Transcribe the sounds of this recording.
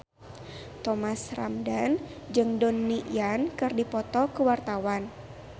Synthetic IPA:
t̪ɔmasra̰mdan | d͡ʒɨŋdɔnːijankɨrdipɔt̪ɔkəwart̪awan

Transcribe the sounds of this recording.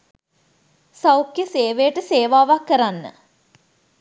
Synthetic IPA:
sawkjəseːʋejʈəseːʋaːʋakːəɾanːə̰

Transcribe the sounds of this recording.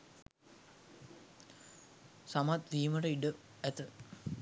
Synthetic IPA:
samat̪diːməʈəiɖə | æt̪ə

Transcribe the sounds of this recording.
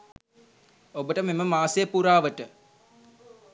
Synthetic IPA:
obəʈəmeməmaːsejəpuɾaːʋəʈə

